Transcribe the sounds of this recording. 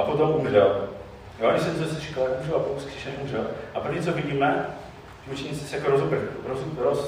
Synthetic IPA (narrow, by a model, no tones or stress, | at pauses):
ʔapot̪omʔumrɛl | jooɲɪsɛnsosɛt͡ʃi̥kaljakumrɛlapot̪omskr̥iʃɛniʔumrɛlʔapr̩vɲiːt͡sovɪɟiːmɛ | ʒut͡ʃɛɲit͡sɛ̥sɛjakoɾozupɾ̩xɾozuɾos